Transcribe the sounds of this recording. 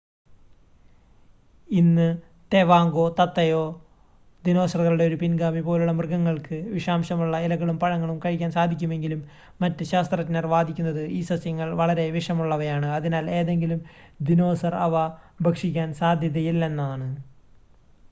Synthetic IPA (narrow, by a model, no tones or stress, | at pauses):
inːɨ | t̪e̞ʋaːŋɡo̞ːt̪ɐt̪ːɐjo̞ː | d̪ino̞ːsɐrɣɐluɽe̞o̞ɾupinɡaːmipo̞ːluɭːɐmrɡɐŋːɐɭkɨʋiʂaːmɕɐmuɭːɐilɐɣɐɭumpɐɻɐŋːɐɭumkɐɻikʲːaːnsaːd̪ʱikʲːume̞ŋɡilumː | ɐtːɨɕaːst̪rɐtnɐrʋaːd̪ʱikʲːunːɐðɨiːsɐsjɐŋːɐɭʋɐɭɐɾe̞ʋiʂɐmuɭːɐʋɐjaːɳɨɐðinaːle̞ːðe̞ŋɡilumd̪ino̞ːsɐrɐʋɐbʱɐkʂikʲːaːnsaːd̪ʱjɐðɐjilːe̞nːaːɳɨ